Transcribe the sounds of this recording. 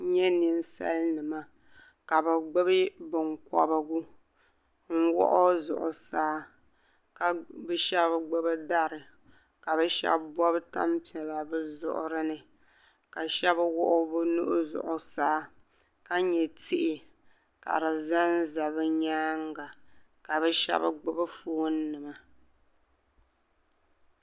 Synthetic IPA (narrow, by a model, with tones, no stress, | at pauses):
ɲɛ˦nɨ˦n˦sa̰˦lnɨ˨ma˦ | ka˨bɨ˨ɡ͡bɨ˦bi˦bɨ˨ŋkɔ̰˦ba˦ɡu˦ | ŋ̩˦wɔ̰˦ʔʊ˦zʊ̰˨ʔʊ˨saː˦ | ka˨bɨ˦ʃɛ˦bɡ͡bɨ˦bɨ˦da˦ɾɨ˨ | ka˨bɛ˦ʃɛ̰˦bbɔ˦bta̰˦mpi˨ɛ˨la˨bɨ˦zʊ̰˨ʔʊ̰˨ɾɨ˦nɨ˨ | ka˨ʃɛ˦bwʊ̰˦ʔʊ˦bɨ˦nu˦ʔʊ˦zʊ̰˨ʔʊ˨saː˦ | ka˦ɲɛ˨tʰi˦ʔɪ˨ | ka̰˨ɾɨ˨za˦n˦za˨βɨ˦ɲaː˦ŋ˦ɡa˨ | ka˨βɛ˦ʃɛ̰˦ba̰˦ɡ͡bʊ˦bɨ˦fuː˦nː˦ɨ˨ma˨